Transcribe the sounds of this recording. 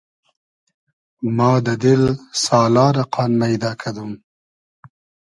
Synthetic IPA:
mɑːd̪əd̪ɪlsɑːlɑːɾaqɑːnmajd̪ɑːkʰad̪um

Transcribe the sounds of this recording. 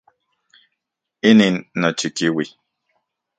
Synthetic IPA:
ininnɔt͡ʃikiwi

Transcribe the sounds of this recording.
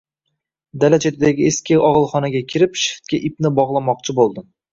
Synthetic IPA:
d̪alat͡ʃʰet̪ʰɪd̪aɡʲɪeskʲɪʔɒʁɨlˠχɒnaɡʲakʲʰɪɾɪpʃɪ̥χt̪̚kʲaʔipnɪbɒʁlˠɑmɒq̚t͡ʃʰɪbolˠd̪ɪm

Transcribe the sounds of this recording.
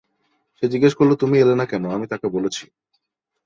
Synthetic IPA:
ʃed͡ʑiɡeʃkoɾlot̪umielenakɛnoamit̪akebolet͡ɕʰi̥

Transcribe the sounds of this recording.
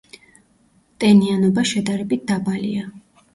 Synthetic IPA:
t̪ʼɛnianɔbaʃɛd̪aɾɛbit̪̚d̪abalḭa

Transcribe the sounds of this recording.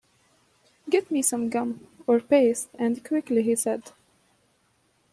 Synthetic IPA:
ɡɛtmisʌ̃mɡʌ̃mɔɹpeɪstɨ̃nkʰwɪkliɦisɛd

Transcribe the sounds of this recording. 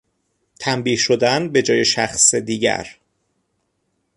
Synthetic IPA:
t̪ʰæmbiːhʃo̞d̪ænbe̞d͡ʒɒːje̞ʃæxsed̪iːɟæ̰ɾ

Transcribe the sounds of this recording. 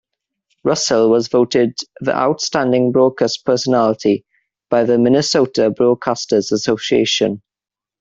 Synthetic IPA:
ɹʌsəlˠwɒzvoʊtɪd̪̚ðḭʔa̰ʊtstãndɪ̃ŋbɹɔːd̚kʰaspʰɜːˑsənalɪtʰi | b̥aɪðəmɪnɪsoʊtʰəbɹɔːd̚kʰastəzəsoʊsiḛɪʃə̰̃n

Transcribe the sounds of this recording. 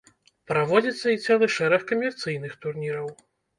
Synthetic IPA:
pɾavɔd͡zʲit̪sːɐit̪sɛlˠɨʂɛɾɐxkɐmʲɛrt̪sɨjnɨxt̪urnʲiɾɐw

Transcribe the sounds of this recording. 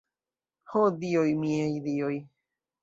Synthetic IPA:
hod̪iojmĩejðioj

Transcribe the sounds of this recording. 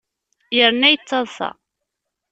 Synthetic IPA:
jəɾnːæjət͡sːɑðˤθɑ̰

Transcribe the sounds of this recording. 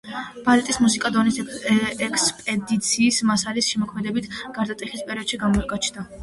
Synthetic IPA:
b̥alɛt̪ʼismusikʼad̪ɔnisɛkspʼɛd̪it̪sʰiːsmasalisʃɛmɔkʰmɛd̪ɛbit̪ʰɡ̥aɾd̪at̪ʼiχispʼɛɾiɔd̪ʃiɡamɔɛkʼat͡ʃʰnd̪a

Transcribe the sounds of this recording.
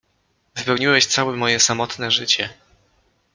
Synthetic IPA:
vɨpɛwɲiwɛɕt̪sawɛmɔjɛsamɔt̪nɛʐɘt͡ɕɛ

